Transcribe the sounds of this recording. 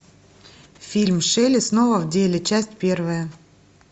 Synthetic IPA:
fʲilʲmʂɛlʲɪsnovəvdʲelʲɪt͡ɕæsʲtʲpʲe̞rvəjə

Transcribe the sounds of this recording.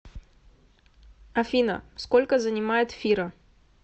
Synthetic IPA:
ɐfʲinə̰skolʲkəzənʲɪmajɪt̪fʲiɾə

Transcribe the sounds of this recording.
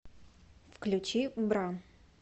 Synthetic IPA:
fklʲʉt͡ɕibɾa

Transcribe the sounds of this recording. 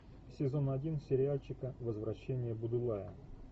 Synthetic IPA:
sʲɪzo̞nɐdʲinsʲɪɾʲɪalʲt͡ɕɪkəvəzvɾɐɕːenʲɪjəbʊd̪ɨlˠajə

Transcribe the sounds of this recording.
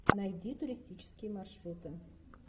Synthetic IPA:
najd̪ʲit̪ʊɾʲɪsʲtʲit͡ʃɪ̥skʲɪjəmarʂrut̪ɨ

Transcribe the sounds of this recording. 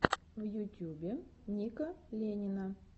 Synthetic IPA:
vjʊtʲubʲɪnʲikəlʲenʲɪnə

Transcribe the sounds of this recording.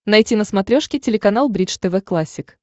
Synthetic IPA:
nɐjtʲinəsmɐt̪ɾʲoʂkʲɪtʲɪlʲɪkɐnalˠbɾʲit͡ʂt̪ɛvɛklˠasʲːɪk

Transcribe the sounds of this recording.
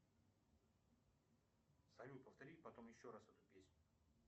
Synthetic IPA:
sɐjʲupəft̪ɐɾʲilʲpɐt̪o̞mjɪɕːoɾasvɛt̪ʊpʲesʲnʲʊ

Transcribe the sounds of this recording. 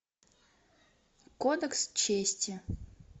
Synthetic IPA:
kod̪əkst͡ɕesʲtʲɪ

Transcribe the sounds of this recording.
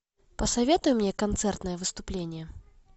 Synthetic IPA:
pəsɐvʲet̪ʊjʊmnʲekɐnt̪sɛrt̪nəjəvɨst̪ʊplʲenʲɪjɛ

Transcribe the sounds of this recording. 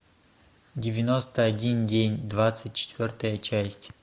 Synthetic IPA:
dʲɪvʲɪnost̪əɐdʲindʲenʲd̪vat̪sɨt̚ʲt͡ɕɪ̥t̪vʲort̪əjət͡ɕæsʲtʲ

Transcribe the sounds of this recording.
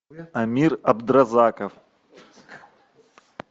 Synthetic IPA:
ɐmʲirɐbd̪ɾɐzakɐf

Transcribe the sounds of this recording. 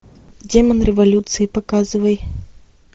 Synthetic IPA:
dʲemənɾʲɪvɐlʲut̪sɨɪpɐkazɨvəj

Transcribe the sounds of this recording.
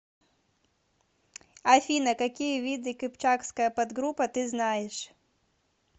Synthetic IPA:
afʲinɐkakʲijɐvʲid̪ɨkɨpt͡ʃakskɐjɐpad̪ɡɾupɐt̪ɨznajɛʂ

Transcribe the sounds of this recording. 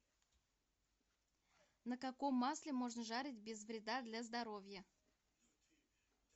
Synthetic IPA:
nəkako̞mːaslʲɪmo̞ʐnəʐaɾʲɪtʲbʲɪzvɾʲɪd̪ad̪lʲazd̪ɐɾo̞vʲjə

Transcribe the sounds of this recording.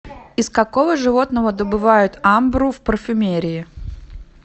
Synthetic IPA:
ɪskɐko̞vəʐɨvo̞t̪nəvəd̪əbɨvajʊt̪ambɾʊfpərfʲʊmʲeɾʲɪɪ

